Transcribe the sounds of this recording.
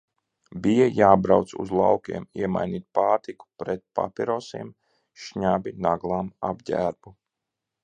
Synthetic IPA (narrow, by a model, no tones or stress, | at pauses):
bijajaːbɾawt̪sṵzlˠawkʲḭɛmiɛma̰jniːt̪̚paːɾt̪iku̥pɾɛt̪̚pa̰piɾɔsḭɛm | ʃɲabinaɡlˠaːma̰bɟʲæːɾbu